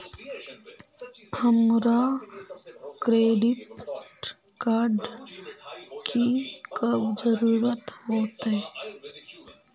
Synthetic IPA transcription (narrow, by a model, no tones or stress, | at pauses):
həmɾa | kɾeːɖiʈʈ | kaːɾɖ | kikɐbd͡ʒəɾuːɾət̪hoːt̪ee